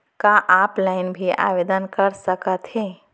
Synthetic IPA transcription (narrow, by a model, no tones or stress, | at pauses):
kaʔaːplaːɪnbʱiʔa̰ːʋeːd̪ənkəɾsəkət̪ɦeː